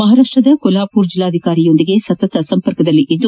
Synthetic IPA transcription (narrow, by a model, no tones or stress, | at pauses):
mɐɦaːɾaːʂʈɾɐd̪ɐkɔlaːpuːɾd͡ʒilːaːd̪ʱikaːɾijo̞nd̪iɡe̞sɐt̪ɐt̪ɐsɐmpɐɾkɐd̪ɐlːiʔid̪ːu